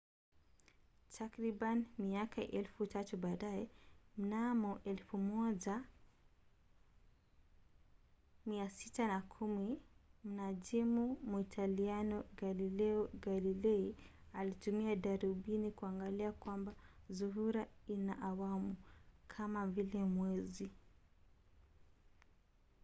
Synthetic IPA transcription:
tʰakɾiɓanimiakaʔɛlfutatuɓaːɗaɛm̩namɔʔɛlfumɔʄa | miasitanakʰumim̩naʄimumuitʰalianɔɡalilɛɔɡalilɛialitumiaɗaɾiɓinikuaŋɡaliakwambazuɦuɾainaʔawamukʰamavilɛmwɛzi

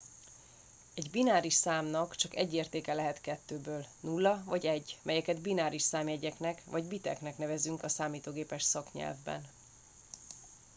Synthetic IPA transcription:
ɛɟbinaːɾiʃsaːmnɒkt͡ʃɒkɛ̰ɟːeːrt̪eːkɛlɛɦɛt̪kɛt̪ːøːbøːlnulːɒvɒɟɛɟːmʔɛjɛkɛd̪binaːɾiʃsaːmɛɟɛknɛkvɒɟbit̪ɛ̰knɛknɛvɛzyŋkɒsaːmiːt̪oːɡeːpɛʃsɒkɲɛ̰lvbɛ̰n

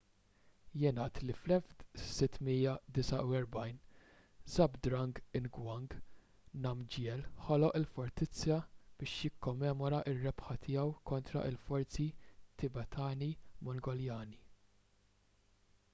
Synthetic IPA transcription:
jɪːnɐːt̪liflɛft̪sɪt̪ːmiːjɐd̪ɪsɐʔuɛɾbɐjn | zɐbd̪ɾɐŋɡɪnɡwɐŋɡ | nɐmd͡ʒjɛlħɔlɔʔɪlfɔɾt̪ɪt͡sːjɐb̥ɪːʃjɪkːɔmːɛːmɔɾɐʔɪrːɛpħɐt̪ʰɪjɛwkɔnt̪ɾɐ̰ʔɪlfɔɾt͡sit̪ɪbɛt̪ʰɐːnimɔŋɡɔljɐːni

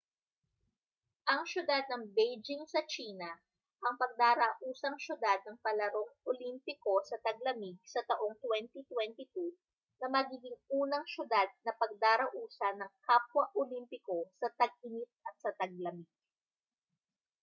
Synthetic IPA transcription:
ʔɐŋʃʊd̪ad̪̚nɐŋbɛjd͡ʒɪŋsɐt͡ʃiːnɐ | ʔɐŋpɐɡ̚d̪aːɾɐʔuːsɐŋʃʊd̪ad̪̚nɐŋpɐlɐɾo̞ŋʔolimpɪko̞sɐt̪ɐɡ̚lɐmiɡ̚sɐt̪ɐʔo̞ŋt̪wɛnt̪it̪wɛnt̪ɪt̪u | nɐmɐɡiːɡɪŋuːnɐŋʃʊd̪ad̪̚nɐpɐɡ̚d̪aːɾɐʔuːsɐnɐŋkapwɐʔolimpɪko̞sɐt̪ɐɡ̚ʔɪnit̪̚ɐt̪̚sɐt̪ɐɡ̚lɐmiɡ̥̚

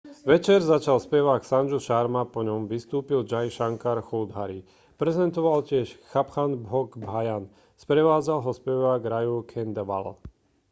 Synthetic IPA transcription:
ʋɛt͡ʃɛɾzat͡ʃalspɛʋaksand͡ʒuʃaɾmapɔɲɔmʋist̪uːpild͡ʒajʃaŋkaɾxuld̪ɦaɾi | pɾɛzɛnt̪ɔʋalcɪɛʃxapxanbɦɔɡbɦajan | spɾɛʋaːd͡zalɦɔspɛʋaɡɾajukʰɛnd̪ʋa̰l

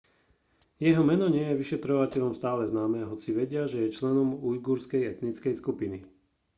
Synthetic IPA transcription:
jɛɦɔmɛnɔɲɪɛjɛʋiʃɛt̪ɾɔʋacɛʎɔmst̪aːlɛznaːmɛːɦɔt͡siʋɛɟɪaʒɛjɛt͡ʃlɛnɔmujɡuːɾskɛjɛt̪nit͡skɛjskupini

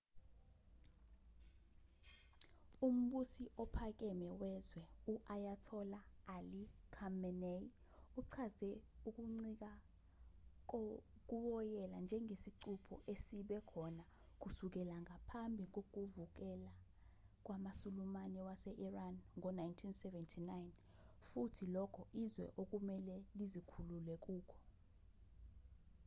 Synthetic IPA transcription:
um̩ɓusiʔɔpʰak̬ʼɛmɛwɛzwɛuʔajatʰɔlaːlikʰamɛne | uǀʰazɛuk̬uŋ͡ǀik̬a | k̬ʼuwɔjɛland͡ʒʱɛŋʱesiǀʰupʰɔ̰ʔesiɓɛkʰɔna | k̬usuk̬ɛlaŋʱapʰambʱik̬ok̬uvuk̬ɛla | k̬ʼwamasulumanɛwasɛʔiranŋɔnajntʰinsɛvɛntʰinajn | futʰilɔkʰɔʔizwɛ̰ʔok̬umɛlɛlizikʰululɛk̬uːkʰɔ̥

